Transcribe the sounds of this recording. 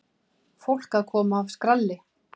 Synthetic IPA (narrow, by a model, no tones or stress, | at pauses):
fowl̥kaðkʰɔːmaːvskɾalːɪ